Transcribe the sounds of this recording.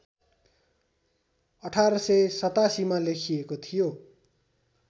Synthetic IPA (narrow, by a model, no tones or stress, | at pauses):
ʌʈʰaɾʌsʌjsʌt̪asimalekʰijekot̪ʰijo